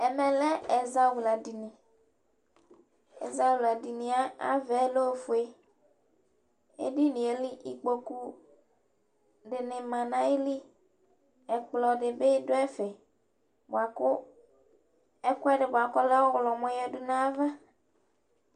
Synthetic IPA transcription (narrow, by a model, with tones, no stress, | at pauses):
ɛ˨mɛ̃˨lɛ˦ɛ˨za˦wu˨la˨di˨nĩ˨ | ḛ˨za˦wu˨la˨di˨nĩ˨a˦a̰˦vɛ˨˦lo˦˨fu˨e˦ | ḛ˦di˦nĩ˨e˨li˦ʔi˨k͡po˦ku˦ | ɖɪ˨nɪ˨mã˨nã˦e˦li˦ | ɛ˨k͡plɔ˨ɖɪ˨be˦do˦ɛ˦fɛ˨ | ba˨kʊ˦ | ɛ˦kʊ˦ɛ˦ɖɪ˨bo˨a˨kɔ˦lɛ˦wɔ˦ɣlɔ˨mɔ̃˦jɛ˦dʊ˦nã˦va˦